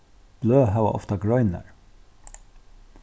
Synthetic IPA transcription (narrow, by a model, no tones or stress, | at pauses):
b̥løːɦɑːʋɑ̰ʔɔ̰ft̪ɑɡɹœʏnə̰ɹ